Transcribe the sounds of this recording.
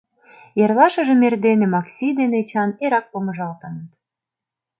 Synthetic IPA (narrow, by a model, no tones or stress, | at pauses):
jerlɑʃə̆ʒemerd̪enemɑksʲid̪enet͡ɕɑneɾɑk̚pomə̆ʒɑlt̪ənət̪